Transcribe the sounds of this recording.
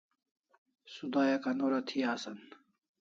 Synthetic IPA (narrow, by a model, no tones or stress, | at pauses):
sud̪aːjɐkɐnoɾɐt̪ʰiaːsɐn